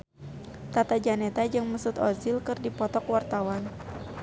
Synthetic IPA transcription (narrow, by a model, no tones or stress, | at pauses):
t̪at̪ad͡ʒanet̪ad͡ʒɨŋmusut̪ɔzilkɨrdipɔt̪ɔkwart̪awan